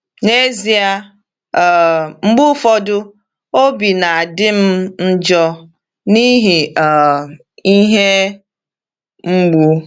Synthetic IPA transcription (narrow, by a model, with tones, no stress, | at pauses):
ne˦zi˦a˦˨ | ŋ͡m̩˦ɡ͡bʊ˦fɔ˦dʊ˦ | o˦bi˨na˨a˨dɪ˦m̩˦n̩˦d͡ʒɔ˦ | ni˦ɦi˨ | i˦ɦe˦ | ŋ͡m̩˦ɡ͡bu˨˦